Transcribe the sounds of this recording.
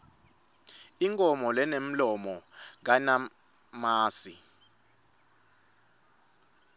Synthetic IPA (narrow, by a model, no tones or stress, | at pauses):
iŋkʼɔmɔlɛnem̩lɔmɔŋ̬ana | maːsi